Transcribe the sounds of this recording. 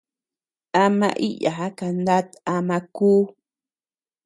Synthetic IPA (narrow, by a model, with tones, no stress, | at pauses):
a˧mã̰˧ʔi˦ja̰˨ɦa˦ka˧nd̪a˦t̪a˧mã˧kuː˦